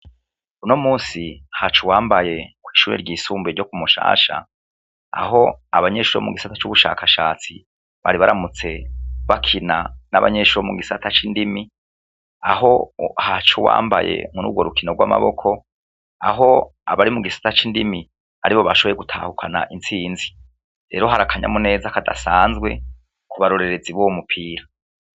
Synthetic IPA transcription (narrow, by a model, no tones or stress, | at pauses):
unomuːnsihat͡ʃuwaːmbaje̞kwiːʃuːɾeɾɟiːsuːmbeɾɟo̞kumuʃa̰ːʃa̰ː | ɦo̞aβaɲe̞ːʃuːɾo̰muɡisatḁt͡ʃuβuʃa̰ːkʰaʃaːt͡si | βaɾiβaɾamut͡se̞βakʰinana̰βa̰ɲeʃuɾomuɡisatat͡ʃindimi | aɦo̞̰hat͡ʃowa̰ːmba̰je̞̰munṵɡwoɾukino̞ɡwa̰ma̰βo̞̰kʰo̞ | aɦo̞aβaɾimuɡisḁtat͡ʃindimi | a̰ɾiβo̞βaʃoβo̞je̞ɡutʰaːhukʰana̰ʔint͡siːnzi | ɾe̞ːɾo̞ɦaɾakʰaɲa̰mune̞ːzakadasaːnzɡwe̞̰ | kuβaɾo̞ɾe̞ɾe̞d͡ziβowmupʰiːɾa